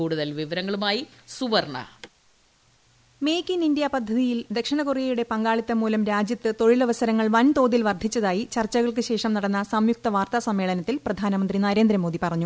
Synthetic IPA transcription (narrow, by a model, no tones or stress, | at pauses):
uːɽuðɐlʋiʋɐɾɐŋːɐɭumaːjisuʋɐrɳɐ̰ | mejkʲːinind̪jɐpɐd̪ʱːɐðijild̪ekʂɐɳɐkurijɐjuɽe̞pɐŋɡaːɭit̪ːɐmuːlɐmɾaːd͡ʑjɐt̪ːɨt̪o̞ɻilɐʋɐsɐɾɐŋːɐɭʋɐnt̪o̞ːðilʋɐrd̪ʱit͡ɕːɐðaːjit͡ɕɐrt͡ɕːɐɣɐɭk̬ɨɕe̞ːʂɐmnɐɽɐnːɐsɐmjuk̚t̪ɐʋaːrt̪asɐmːe̞ːɭɐnɐt̪ːilprɐd̪ʱaːnɐmɐnd̪rinɐɾe̞ːnd̪ɾɐmo̞ːðipɐrɐɲːu